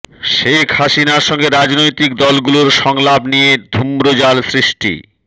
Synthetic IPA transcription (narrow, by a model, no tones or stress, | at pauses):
ʃekʰhaʃinaɾʃɔŋɡeɾad͡ʑnojt̪ikd̪ɔlɡuloɾʃɔŋlabnijed̪ʱumɾod͡ʑalsɾiʃʈḭ